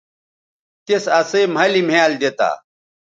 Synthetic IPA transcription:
t̪esɐsem̤ʱɐlim̤eald̪et̪a̰ː

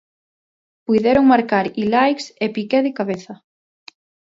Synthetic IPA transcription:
pujðɛɾoŋmaɾkaɾilajksepikɛðɪkaβeθɐ

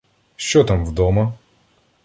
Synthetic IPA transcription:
ʃt͡ʃɔt̪amwd̪ɔmɐ

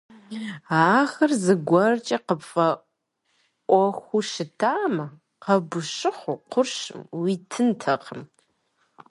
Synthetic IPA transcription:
aːxɐrzɨɡʷɐrt͡ʃʼɐqəpfɐ | ʔʷɔxʷuʃɨtʰaːmɐ | qɐbʊʃɨχʷuqʷʊrʃɨ̰mwitʰɨntʰɐqʰəm

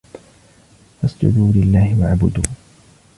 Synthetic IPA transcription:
ʔasdʊ̰d̪uːlɪlːaːhɪwaʕbʊd̪uː

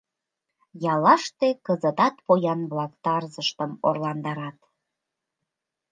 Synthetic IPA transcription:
jɑlɑʃt̪ekəzət̪ɑt̪pojɑnβlɑkt̪ɑrzəʃt̪əmo̰rlɑnd̪ɑɾɑt̪

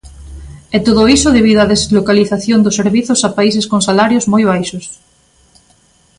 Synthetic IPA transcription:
ɛt̪oðoisʊðeβiðʊaðezlokaliθaθjond̪ʊsːeɾβiθʊsapais̬eskoŋsalaɾjozmojβajʃʊs

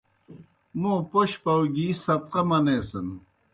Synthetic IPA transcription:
mũːpoɕpɐwɡiːsɐt̪qɐmɐneːsɐn

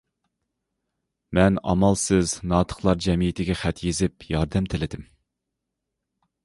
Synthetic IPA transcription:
mɛnɑ̰mɑlˠsɨznɑːt̪ʰə̥χlˠɑɾd͡ʒɛmijit̪ʰɪɡʲɛχæt̪jezɪpjɑɾd̪ɛmt̪ʰɪlɪd̪ɪm

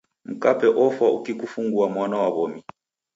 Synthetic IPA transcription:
m̩kapɛʔɔfaʔukikufuŋɡuamwanawaβɔmi

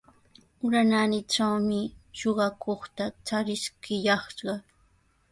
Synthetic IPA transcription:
ʊɾananɪʈ͡ʂawmɪʃoɢɑkʰoχt̪at͡ʃaɾɪʃkʰɪjɑχʃɢɑ

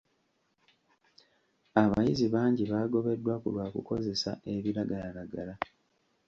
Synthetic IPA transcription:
aβa̰jiziβaːɲɟiβaːɡo̞βe̞dːwakulwaːkṵko̞ze̞sa̰e̞βiɾaɡalalaɡala

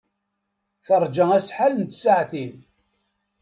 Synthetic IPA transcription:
θəɾˤd͡ʒəæsħalənt̪saʕθin

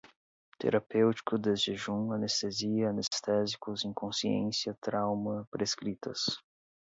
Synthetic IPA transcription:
t̪ḛɾapewt͡ʃi̥kʊd̪ezd͡ʒɪʒũɐnest̪eziɐːnest̪ɛzikʊzẽŋkõsiḛ̃sjɐt̪ɾawmɐpɾeskɾit̪ɐ̰s

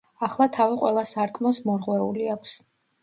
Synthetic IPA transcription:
aχlˠat̪ʰaviqʼwɛlˠasaɾkʼʰmɔsmɔɾʁwɛuliakʷʰs

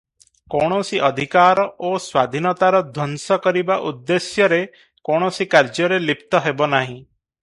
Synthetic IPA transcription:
koɽ̃ɔsiʔɔd̪ʱikaɾɔʔoswad̪ʱinɔt̪aɾɔd̪ʱɔnsɔkɔɾibaʔud̪ːesjɔɾe | koɽ̃ɔsikaɾd͡ʒɔɾelip̚t̪ɔɦebɔnaɦĩ

